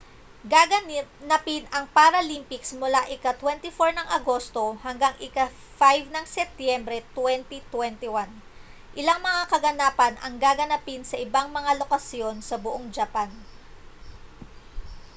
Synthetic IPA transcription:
ɡaɡɐnnɐpɪnɐŋpaɾɐlimpɪksmʊlaʔɪkat̪wɛnt̪ɪfoɹnɐŋʔɐɡo̞st̪o̞hɐŋɡaŋʔɪka | fajvnɐŋsɛp̚t̪jɛmbɾɛt̪wɛnt̪it̪wɛnt̪ɪwan | ʔɪlaŋmɐŋakɐɡɐnaːpɐnʔɐ̰ŋɡaɡɐnɐpɪnsɐʔɪbaŋmɐŋalo̞kɐsjo̞nsɐbʊʔoŋd͡ʒɐpan

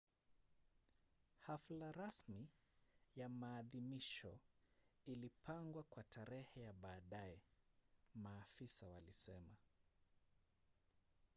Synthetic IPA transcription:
haflaɾasmijamaːðimiʃɔ | ilipʰaŋɡwakwataɾɛhɛjaɓaːɗaɛ | maːfisawalisɛma

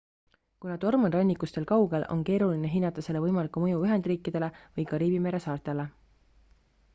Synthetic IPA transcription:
kunɑt̪o̞rmenrɑnʲːikːˑust̪e̞lkɑwɡ̥e̞lo̞̰nke̞ːɾuline̞ɦinːɑt̪ːˑɑse̞le̞vɤjmɑlikːˑumɤjuyɦe̞nd̪̥riːkːˑid̪̥e̞le̞vɤjkɑɾiːbime̞ɾe̞sɑːrt̪ˑele̞

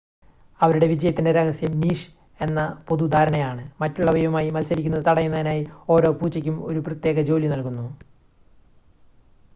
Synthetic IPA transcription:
ɐʋɐɾuɽe̞ʋid͡ʑɐjɐt̪ːindeɾɐhɐsjɐmniːʂ | e̞nːɐpo̞ðud̪ʱaːɾɐɳɐjaːɳɨmɐtːuɭːɐbʱɐjʋɐmaːjimɐlsɐɾikʲːunːɐðɨt̪ɐɽɐjunːɐðinaːjio̞ːɾo̞ːpuːt͡ɕːɐkʲːumo̞ɾuprɐt̪jeːɣɐd͡ʑo̞ːlinɐlkunːu

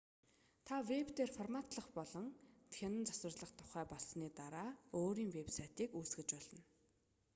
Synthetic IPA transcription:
t̪ʰawept̪eːrfɔrmat̪ɮə̆χpɔɮɞ̆ŋt̪xʰʲenə̆nt͡saswə̆rɮə̆χt̪ʰʊ̥χæːpɔɮsniːt̪aɾaːoːɾiːŋwepsajʰt̪iːkuːsɡɘ̆t͡ɕpɔɮɞ̆n

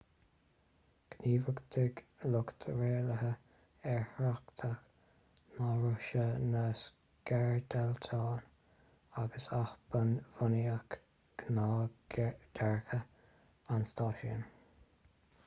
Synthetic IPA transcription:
ɡ̥niːvəɡd̪ɪɡlʊkt̪ʰəɹeːləɦə | ɛɹhɾakt̪ʰəx | naɹʊʃənəs | kɛɹd̪ɛlt̪ʰɑːn | aɡəsaxbənvʊniak | ɡ̥nɑː | d̥̪ɛɹxə | anst̪ɑːʃḭən

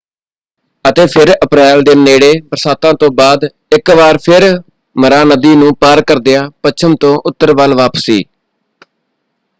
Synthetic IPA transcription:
ət̪eːpʰɪɾəpɾɛːld̪eːneːɽeːpɾəsaːt̪ãːt̪õːbaːd̪ | ɪkʋaːɾpʰɪɾ | məɾaːnəd̪iːnũːpaːɾkəɾd̪ɪjaːpət͡ʃʰəmt̪õːʔʊt̪ːəɾʋaːlʋaːpəsiː

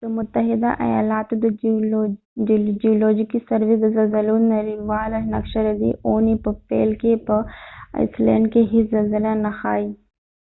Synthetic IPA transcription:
d̪əmʊt̪ːɐɦɪd̪a̰ʔɐ̰ja̰ːlaːt̪ud̪ | d͡ʒioːloːd͡ʒikisɐɾʋiɡ̪ɐzɐzɐlunɐɾiʋaːlɐnɐkʃɐɾɐd̪ḭʔoːnipɐpḛːlkepɐɐ̰ɪslḛːɳɖkeɦizɐlzɐlanɐxaːi

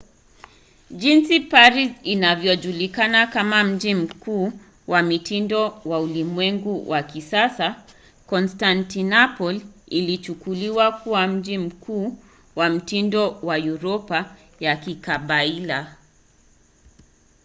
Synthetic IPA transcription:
ʄinsipaɾisinavjɔʄulikanakamam̩d͡ʒim̩kuː | wamitindɔwaulimwɛŋɡuwʔakisasa | kɔnstantinapɔlilit͡ʃukuliwakuwam̩ʄim̩kʰuː | wam̩tindɔwajuɾɔpa | jakikaɓaila

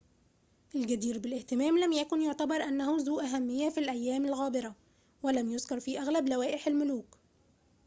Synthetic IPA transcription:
ʔɪlɡæd̪iːɾbɪlʔɪht̪ɪmæːmlæmjækʊnjoʕt̪æbɑɾˤʔænːæhuzuːʔæɦæmːɪjːæfilʔæjːæːmɪlɣæːbɪɾˤɑ | wælæmjozkɑɾˤfiːʔæɣlæblæwæːʔɪħɪlmʊluːk

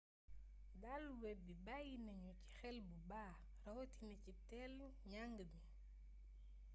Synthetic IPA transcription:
dalwɛbibajinɐɲɔci̥xɛlbubaː | rɐwtinɐcitɛl | ɲaŋɡəbi

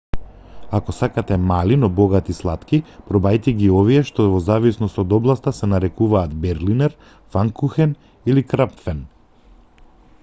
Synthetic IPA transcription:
akɔsakat̪ɛmalinɔbɔɡat̪islˠat̪kipɾɔbajt̪ɛɡiɔviɛʃt̪ɔvɔzavisnɔst̪ɔd̪ɔblˠast̪asɛnaɾɛkuvaːd̪bɛɾlinɛɾ | faŋkuxɛn | ilikɾapfɛn

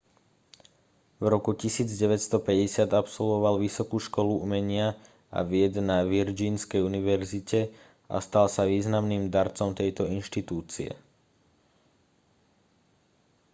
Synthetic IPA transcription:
vɾɔkucisiːd͡zɟɛʋɛt̪st̪ɔpɛɟɛsɪad̪apsɔlʋɔʋalʋisɔkuːʃkɔluumɛɲɪa | a̰ʋɪɛd̪naʋiɾd͡ʒiːnskɛjuniʋɛɾzicɛ | a̰st̪alsaʋiːznamniːmd̪aɾt͡sɔmt̪ɛjt̪ɔinʃt̪it̪uːt͡siɛ̰

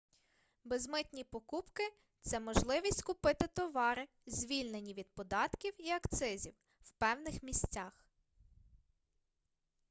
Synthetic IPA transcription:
bezmɪt̪ʲnʲipɔkupkɪ | t̪sɛmɔʒlˠɪʋʲisʲtʲkʊpɪt̪ɪt̪ɔʋɑɾɪ | zʲʋʲilʲnenʲːiʋʲid̪̚pɔd̪ɑt̪kʲiwiɐkt̪sɪzʲiw | wpɛwnɪxmʲisʲt͡sʲɑx

